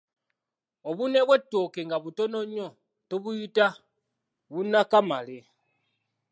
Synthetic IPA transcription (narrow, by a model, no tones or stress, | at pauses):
oβuneβwetːokeŋɡaβutonoɲo | toβujita | βunakamale